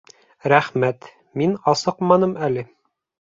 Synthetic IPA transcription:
ɾæχmæt̪ | minɑsɤqmɑnɤmælɘ

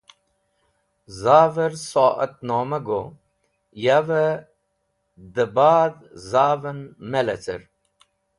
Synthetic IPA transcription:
zaːvəɾsoːʔə̰t̪̚noːməɡo | javə | d̪əbaːd̪ | zaːvənmelɐt͡sə̰ɾ

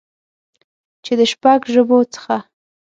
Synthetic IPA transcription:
t͡ʃed̪əʃpaɡʒəbot͡sə̥xa

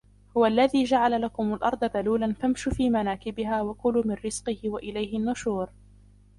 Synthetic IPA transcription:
hʊwalːaðiːd͡ʒaʕalalakʊmalʔɑɾˤd̪ˤɑb̪aluːlanfamʃufiːmanaːkɪbɪɦaːwakʊluːmɪnːɪz̥qɨhɪwaʔɪlajɦɪnːʊʃuːɾ

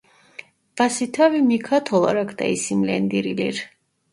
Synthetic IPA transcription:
v̥asit̪ʰavimikʰat̪ʰɔlˠa̰ɾakʰd̪a̰isimlɛnd̪iɾilḭɾ

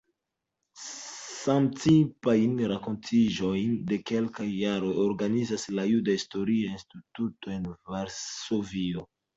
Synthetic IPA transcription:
samt͡sipajnɾako̞ntʰiʒo̞jnde̞ke̞lkajːaɾo̞jo̞ɾɡanizaslajudaisto̞ɾiainstituto̞e̞nvaɾso̞vio

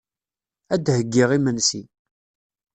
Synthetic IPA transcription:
æd̪həɡːiʁimənsi

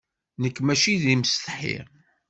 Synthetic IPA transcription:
nəkːmæʃiðiməst̪ħḭʁ

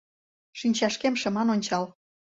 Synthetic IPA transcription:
ʃinʲt͡ɕɑʃkemʃɤ̆mɑnonʲt͡ɕɑl

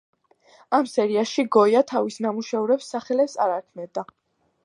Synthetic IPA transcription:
amsɛɾiaʃiɡɔjat̪ʰavisnamuʃɛuɾɛpsːaχɛlɛpsa̰ɾaɾkʰmɛnd̪a

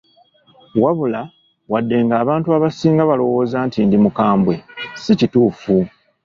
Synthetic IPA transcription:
waβula | wadːe̞ŋɡaːβaːntuaβasiːŋɡaβalo̞wo̞ːzantindimukaːmbwe̞sicituːfu

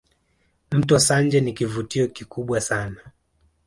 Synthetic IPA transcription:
m̩tɔsand͡ʒɛnikivutiɔkikuɓwasana

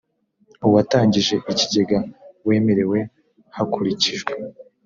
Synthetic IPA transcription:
uwataːɲɟiʒe̞ʔiciɟe̞ɡawe̞ːme̞ɾe̞we̞ | hakuɾiciʒwe

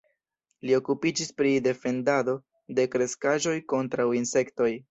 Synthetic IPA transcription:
lio̞kupid͡ʒispɾide̞fe̞ndado̞ | de̞kɾe̞skaʒo̞jko̞ntɾawinse̞kto̞j

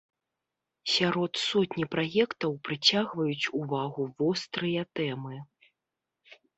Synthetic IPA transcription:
sʲaɾɔt̪sɔt̪ʲnʲipɾajɛkt̪ɐwpɾɨt͡sʲaɣvɐjut͡sʲuvaɣuvɔst̪ɾɨjɐt̪ɛmɨ

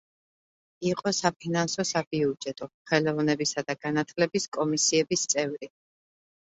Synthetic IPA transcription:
iqʼɔsapʰinansɔsabiud͡ʒɛt̪ʼɔχɛlɔvnɛbisad̪aɡ̥anat̪ʰlɛbiskʼɔmisiɛbist̪sʼɛvɾi

